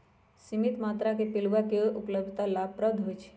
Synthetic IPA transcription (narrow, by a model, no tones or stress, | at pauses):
simit̪mat̪ɾakepilʋakeʔupləbd̪ʱt̪alab̚pɾəb̚d̪ʱɦojt͡ʃʰe̥